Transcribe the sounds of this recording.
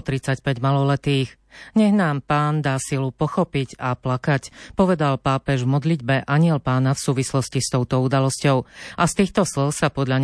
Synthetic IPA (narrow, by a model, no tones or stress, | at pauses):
t̪ɾit͡sacpɛɟmalɔlɛt̪iːɣ | ɲɛɣnaːmpaːnd̪aːsilupɔxɔpicaplakacpɔʋɛd̪alpaːpɛʒvmɔd̪lid̪̚bɛʔaɲɪɛlpaːnafsuːʋislɔscist̪ɔʊt̪ɔud̪alɔscɔʊʔast̪iːxt̪ɔslɔʊsapɔd̪ʎaɲ